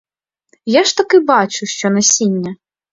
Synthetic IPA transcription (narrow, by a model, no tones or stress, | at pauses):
jaʃt̪ɐkɪbɑt͡ʃʊʃt͡ʃɔnɐsʲinʲːɐ